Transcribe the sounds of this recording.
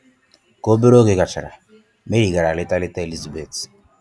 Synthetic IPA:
ko˦be˦ɾo˦ke˨ka˨t͡ʃa˨ɾa̰˨ | me˦ɾi˨ɡa˨ɾa˨lɪ˦ta˦lɪ˦ta˦e˨li˦za˨be˨t

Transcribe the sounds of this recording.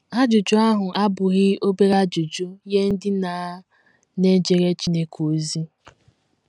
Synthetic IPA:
a˦d͡ʒʊ˨d͡ʒʊ˦a˦ɦʊ˨ʔa˦bʊ˨ɣɪ˦o˦be˦ɾa˦d͡ʒʊ˨d͡ʒʊ˦je˦n̩˦dɪ˦na˨˦ | ne˦d͡ʒe˨ɾe˦t͡ʃi˦ne˨kʰo˨zi˦

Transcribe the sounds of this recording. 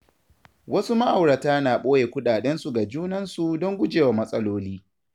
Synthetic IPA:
wɐ˦su˦ma˦ʔa˨wɽɐ˨taː˦naː˨ɓoː˦jeː˨kʷʊ˦ɗaː˨ɗɛ˦nsu˨ɡa˨d͡ʒuː˦nɐ˦nsu˨dɔ˦ŋɡʷʊ˦d͡ʒeː˨wa˨mɐ˦sʼɐ˦loː˦liː˦

